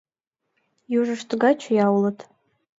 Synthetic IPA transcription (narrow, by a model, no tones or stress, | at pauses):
juʐɨʂtʰʼɡat͡ʃʰjawlətʰʼ